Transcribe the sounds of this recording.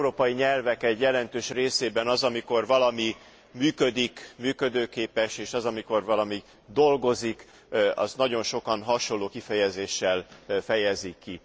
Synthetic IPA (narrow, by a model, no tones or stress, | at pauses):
ɛuɾoːpɒjiɲɛlvɛkɛɟjɛlɛnt̪øːʃreːseːbɛnɒzɒmiko̞rvɒlɒmi | myːkød̪ikmyːkø̞d̪øːkeːpɛʃeːʃɒzɒmiko̞rvɒlɒmi | d̪o̞lɡo̞zik | ɒ̰znɒɟo̞nʃo̞kɒnɦɒʃo̞nlːoːkifɛjɛzeːʃːɛlfɛjɛzikːi